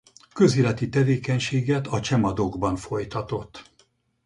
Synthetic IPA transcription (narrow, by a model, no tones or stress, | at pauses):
kø̞ziːlɛt̪it̪ɛveːkɛɲʃeːɡɛt̪ɒt͡ʃɛmɒd̪oɡbɒnfo̞jt̪ɒt̪o̞t̪ː